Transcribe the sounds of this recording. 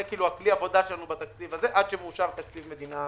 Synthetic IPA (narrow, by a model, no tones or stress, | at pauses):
kiːluakliavo̞d̪aʃelanubat̪akt͡sivazeʔad̪ʃemːʃaʁt̪ak̚t͡sivme̞d̪ina